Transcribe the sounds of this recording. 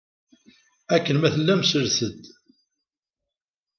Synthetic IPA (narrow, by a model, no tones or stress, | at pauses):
ækːənmæθəlːæmsəɾθəd̪